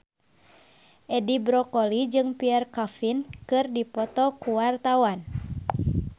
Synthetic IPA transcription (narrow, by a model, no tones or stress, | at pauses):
ʔɛdibɾɔkɔlid͡ʒɨŋpiɛrkafinkɨrdipɔt̪ɔkuwart̪awan